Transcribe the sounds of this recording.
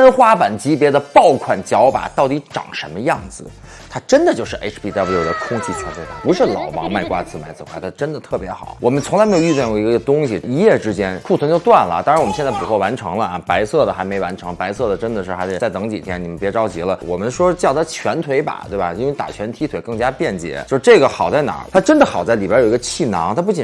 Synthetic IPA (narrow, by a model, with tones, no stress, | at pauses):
ə˥nxwa˥pa˨˩nt͡ɕi˧˥pjɛ˧˥d̪ə˧pɑ˥˩ʊkʰwa˨˩nt͡ɕjɑ˧˥ʊpa̰˨˩t̪ɑ˥˩ʊt̪i˧˥ʈ͡ʂɑ̰˨˩ŋʂə˧˥nmə˧jɑ˥˩ŋd͡zɹ̩˩ | t̪ʰa˥ʈ͡ʂə˥nd̪ə˨t͡ɕjo˥˧ʊʂɻ̩˥˧ʔḛ˥ʈ͡ʂʰpʰi˧t̪a˥˩bjo˨˩d̪ə˦kʰʊ˥ŋt͡ɕʰi˥˩t͡sʰa˧˥nɛ˥˩t̪ʰa˥˩pu˧˥ʂɻ̩˥˩lɑ̰˨˩ʊpɑ̰˧˥ŋma˥˩ɪkwa̰˥t͡sɹ̩˥˩ma˧˥ɪt͡sɹ̩˥˩kʰwa˥˩ɪt̪ʰa˥ʈ͡ʂə˥nd̪ə˨t̪ʰɤ˥˩pjɛ˧˥xɑ̰˨˩˦ʊwɔ˨˩mə˦nt͡sʰʊ˧˥ŋla˧˥ɪme˥jo˨˧y˥˧jɛ˥˩o˥˩i˧˥ɡɡə˧t̪ʊ˥ŋɕi˨˩i˧˥jɛ˥˩ʈ͡ʂɻ̩˥t͡ɕjɛ˥nkʰu˥˩t͡sʰwŋt͡ɕjo˥˧ʊt̪wa˥˩nlə̰˩t̪a˥ŋɻwmə˦nɕɛ˥˧t͡spu˨˩kwɔ˥˩wa˧˥nʈ͡ʂʰɤ̰˧˥ŋlə˧a˧˩pa˧˥ɪsɤ˥˩d̪ə˩xa˧˥ɪme˧˥ɪwa˧˥nʈ͡ʂʰɤ˧˥ŋpa˧˥ɪsɤ˥˩d̪ə˩ʈ͡ʂə˥nd̪ə˨ʂɻ̩˥˩xa˧˥ɪʂɻ̩˧˥t͡sa˥˩ɪt͡sɤ˧˥ŋt͡ɕḭ˨˩t̪ʰjɛ˥ni˨˩mə˧npjɛ˧˥ʈ͡ʂɑ˥ʊt͡ɕi˧˥lə˧wɔ̰˨˩mə˦nʂwɔ˥t͡ɕjɑ˥˩ʊt̪ʰa˥˩t͡ɕʰɥɛ˧˥nt̪ʰwe˧˥ɪpa̰˨˩t̪we˥˩bɐ̰˩i˥nwe˧˩ɪt̪a̰˨˩t͡ɕʰɥɛ˧˥nt̪ʰi˧˥t̪ʰwe˨˩ɪkɤ˥˩ŋt͡ɕja˥pjɛ˥˩nt͡ɕjɛ̰˧˩˥jo˥˧ʊʂʈ͡ʂɤ˥˩ɡə˩xɑ˨˩ʊt͡sa˥˩ɪna̰˨˩˥t̪ʰa˥ʈ͡ʂə˥nd̪ə˨xɑ˨˩ʊt͡sa˥˩li˨˩pa˥jo˨˩˧ɡə˧t͡ɕʰi˥˩nɑ̰˧˥ŋt̪ʰa˥p̬u˥˩t͡ɕi˨˩